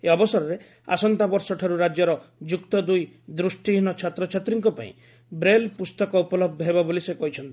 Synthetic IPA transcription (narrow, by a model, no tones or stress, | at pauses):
eɔbɔsɔɾɔɾe | a̰sɔnt̪abɔɾsɔʈʰaɾuɾad͡ʒjɔɾɔd͡ʒukt̪ɔd̪uj | d̪ɾusʈiɦinɔt͡ʃʰat̪ɾɔt͡ʃʰat̪ɾiŋkɔpa̰ḭ̃ | bɾelpust̪ɔkɔupɔlɔb̚d̪ʱɔɦebabolisekɔɦit͡ʃʰɔnt̪i̥